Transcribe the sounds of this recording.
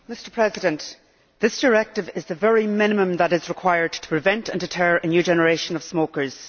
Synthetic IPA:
mɪstə˞pʰɹ̥ɛzɪdə̃nʔ | ðɪsd̥ə˞ɛk̚tɪvɪzðəvɛɹimɪnɪmə̃mðəɾɪzɹɪkʰw̥aɪə˞d̚tʰə̥pʰɹ̥ɪvɛ̃ntə̃ndɪtʰɜ˞ɹənjʉd͡ʒɛnəɹeʃə̃nəv̥smokə˞z̥

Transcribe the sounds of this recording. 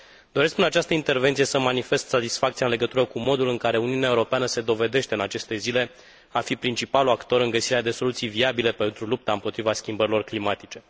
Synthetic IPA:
d̪̥o̞ɾe̞skɨnat͡ʃast̪əint̪e̞rve̞nt̪sije̞səmanife̞st̪sat̪isfak̚t̪siaɨnle̞ɡət̪uɾəkumo̞d̪ulɨŋkaɾe̞uniuneaeuɾo̞peanəse̞d̪o̞ve̞d̪e̞ʃt̪e̞ɨnat͡ʃe̞st̪e̞zile̞ | afipɾint͡ʃipaluakt̪o̞ɾɨŋɡəsiɾead̪e̞so̞lut̪sijviabile̞pe̞nt̪ɾulup̚t̪aɨmpo̞t̪ɾivaskʲimbəɾilo̞rklimat̪it͡ʃe̞

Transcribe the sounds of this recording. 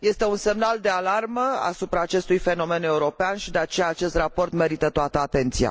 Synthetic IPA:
je̞st̪e̞unse̞mnald̪e̞alarməa̰supɾaːt͡ʃe̞st̪ujfe̞no̞me̞ne̞uɾo̞peanʃid̪e̞at͡ʃe̞jaːt͡ʃe̞st̪rapo̞rt̪me̞ɾit̪ət̪oat̪əat̪e̞nt̪sija̰

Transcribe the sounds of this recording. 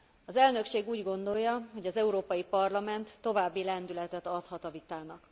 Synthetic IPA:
ɒzɛlnø̞kʃeːɡuːɟɡo̞nd̪o̞jːɒɦo̞ɟɒzɛuɾoːpɒjipɒrlɒmɛnt̪ːo̞vaːbːilɛnd̪ylɛt̪ɛt̪ɒt̪hɒt̪ɒvit̪aːnɒk

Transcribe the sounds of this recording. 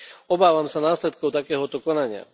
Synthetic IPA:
ɔbaːʋamsanaːslɛt̪kɔʊt̪akɛːɦɔt̪ɔkɔnaɲɪa̰

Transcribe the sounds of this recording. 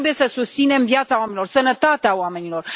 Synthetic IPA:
bujesəsust̪sine̞mvjat̪sawamenilo̞rsənət̪at̪eaoame̞nilo̞r

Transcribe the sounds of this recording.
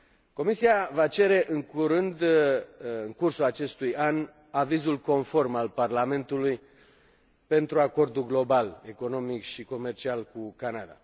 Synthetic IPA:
ko̞misiavat͡ʃe̞ɾe̞ʔɨŋkuɾɨnd̪ | ɨŋkursulat͡ʃe̞st̪ujan | avizulko̞nfo̞rmalparlame̞nt̪uluj | pe̞nt̪ɾuako̞rd̪uɡlo̞bale̞ko̞no̞mikʃiko̞me̞rt͡ʃialkukanad̪a̰

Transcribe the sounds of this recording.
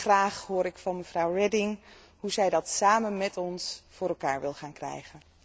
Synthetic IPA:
χraːχɦʊːɾɪkfɑnməv̥rɔwrɛdɪŋ | ɦuzɛjdɑtsaːmənmɛtɔnsfʊːrɾɛlˠka̰ːɹʋɪlˠχaːnkrɛ̰jχən

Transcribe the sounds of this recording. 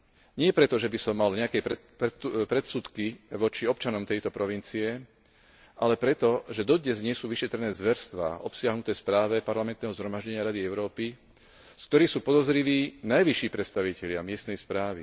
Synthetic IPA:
ɲɪɛpɾɛt̪ɔʒɛbisɔmːalɲɛakɛpɛ | pɾɛt̪sut̪kiʋɔt͡ʃiɔpt͡ʃanɔmt̪ɛjt̪ɔpɾɔʋint͡siɛ | ʔalɛpɾɛt̪ɔʒɛd̪ɔd̪ɲɛzɲɪɛsuːʋiʃɛt̪ɾɛnɛːzʋɛɾst̪ʋa̰ːʔɔpsɪaɦnut̪ɛːspɾaːʋɛpaɾlamɛnt̪nɛːɦɔzɦɾɔmaʒɟɛɲɪaɾad̪iɛʊɾɔːpi | sk̚t̪ɔɾiːxsuːpɔd̪ɔzɾiʋiːnajʋiʃiːpɾɛt̪st̪aʋicɛʎɪamɪɛst̪nɛjspɾaːʋḭ

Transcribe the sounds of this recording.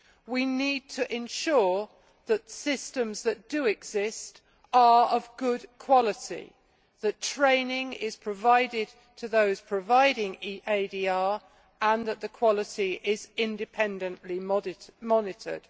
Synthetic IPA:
winid̚tʰəʔɪ̃nʃɔɹ | ðətsɪstə̃mzðət̚d̥əɪɡz̥ɪst | ə˞ʌvɡʊdkʰw̥ɒlɪtḭ | ðətʰɹ̥ẽɪ̃nɪ̃ŋɪz̥pʰɹ̥əvaɪdɪd̚ | tʰəðəʊz̥pʰɹ̥əvaɪɾɪ̃ŋiʔeɪdiɑːɹ | ə̃nðəʔ̪ðəkʰw̥ɒlɪtiʔɪzɪ̃ndɨpʰɛ̃ndə̃nʔlimmɒnɪtə̰d̥

